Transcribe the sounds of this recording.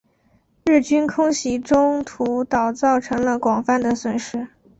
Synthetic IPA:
ɻɻ̩˥˩t͡ɕy˥nkʰʊ˥ŋɕi˧˥ʈ͡ʂʊ˥ŋt̪ʰu˧˥t̪ɑ˨˩ʊt͡sɑ˥˩ʊʈ͡ʂʰɤ˧˥ŋlə˧kwɑ˨˩ŋfa˥˩nd̪ə˩swə˨˩nʂɻ̩˥

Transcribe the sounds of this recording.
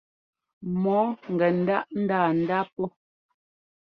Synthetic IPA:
mɔ˨˦ŋ̩˨ɡɛ˨n̩˦da˦ʔn̩˦daː˦˨n̩˨da˦pɔ˦

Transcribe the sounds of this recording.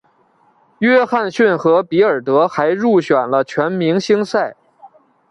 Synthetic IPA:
ɥɛ˥xa˥˧nɕy˥˩nxɤ˧˥pi˧˥ə˞˨˩t̪ɤ˧˥xa˧˥ɪɻu˥˩ɕɥɛ˨˩nlə˦t͡ɕʰɥɛ˧˥nmi˧˥ŋɕi˥ŋsa˥˩ɪ

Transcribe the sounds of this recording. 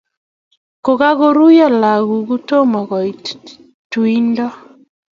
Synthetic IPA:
ko˨ɣa˦ɣo˦ɾu˦ja˦˨la˨ɣu˨ɣu˦to˦mɔ˨ɣɔ˨i˨ | twi˦ndɔ˦

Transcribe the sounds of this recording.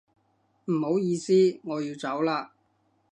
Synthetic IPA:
m̩˨˩ho˨˥wjiː˧siː˥ŋɔː˨˧jiː˧wt͡sɐ˨˥wlaː˧

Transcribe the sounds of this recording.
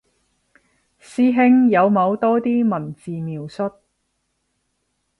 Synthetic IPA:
siː˥ɦɪ˥ŋjɐ˨˧wmɐ˨˧wt̪ɔː˥t̪iː˥mɐ˨˩nt͡siː˨miː˨wsɵ˥t̚

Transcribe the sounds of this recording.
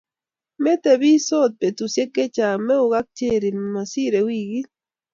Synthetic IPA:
mɛ˦t̪e˨bi˦so˦t̪̚pe˨tu˨sje˦ke˦t͡ʃa˨mɛ˦ʊ˨ɣa˦k̚t͡ʃe˦˨ɾi˨ma˨si˦ɾe˨wi˦˨ɡi˦

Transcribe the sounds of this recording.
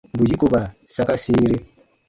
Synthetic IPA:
bu˨ji˦ku˨βa˨sa˦ka˦siːle˦

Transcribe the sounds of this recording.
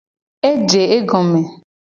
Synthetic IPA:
e˦d͡ʒe˨e˦ɡɔ˨me˨

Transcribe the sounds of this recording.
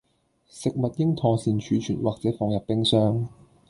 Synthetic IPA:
sɪ˨k̚mɐ˨t̚jɪ˥ŋt̪ʰɔː˨˧siː˨nt͡ʃʰyː˨˥t͡ʃʰyː˨˩nwʔaː˨k̚t͡sɛː˨˥fɔː˨˧ŋjɐ˨p̚pːɪ˥ŋsœː˥ŋ

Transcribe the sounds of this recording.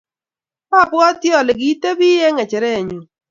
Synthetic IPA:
pa˦˨pwɔ˦tjɔ˨lɪ˨ɡi˨˦te˦bi˦je˦ŋɛ˨t͡ʃɛ˨ɾɛ˦˨ɲu˨

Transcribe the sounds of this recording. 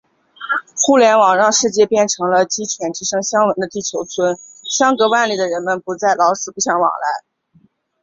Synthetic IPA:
xu˥˩ljɛ˧˥nwɑ˨˩ŋɻɑ˥˧ŋʂɻ̩˥˧t͡ɕjɛ˥˧pjɛ˥˩nʈ͡ʂʰɤ˧˥ŋlə˧t͡ɕi˥t͡ɕʰjɛ˧˥nt̪ʰi˧˥ʂɤ˥ŋɕjɑ˥ŋwə˧˥nd̪ə˧t̪i˥˩t͡ɕʰjo˧˥ʊt͡sʰwə˥nɕjɑ˥ŋkɤ˧˥wa˥˩nli˥˩d̪ə˩ɻə˧˥nmə˧˨npu˧˥t͡sa˥˩ɪlɑ˧˥ʊʂɻ̩˨˩pu˥˩ɕjɑ˧˥ŋwɑ̰˨˩ŋla˧˥ɪ

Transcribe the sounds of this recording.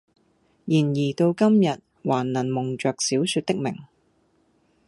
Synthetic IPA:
jiː˨˩njiː˨˩t̪o˧wkɐ˥mjɐ˨t̚ | waː˨˩nːnɐ˨˩nmʊ˨˩ŋt͡ʃœː˨k̚siː˨˥wsy˧t̪̚ɪ˥k̚mɪ˨˩ŋ

